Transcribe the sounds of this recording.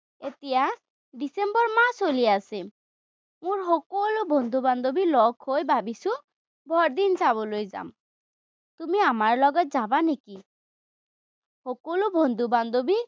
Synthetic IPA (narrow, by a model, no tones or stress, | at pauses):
et̪ija | ɖisembɔɹmasoliase | mũɹɦɔkolobʱɔnd̪ʱuband̪obilɔkʰhojbabisu | bʱɔɾd̪insaβɔlojza̰m | t̪umiamaɹlɔɡɔt̪̚zabaneki | hɔkolobʱɔnd̪ʱuband̪obi